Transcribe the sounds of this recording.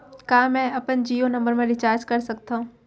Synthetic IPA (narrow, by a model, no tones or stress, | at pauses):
kãːmɛ̃ɐpənd͡ʒiːonɐ̃mbəɾmẽɾɪt͡ʃaːɾd͡ʒkɐɾsɐk̚t̪ʰãɦũː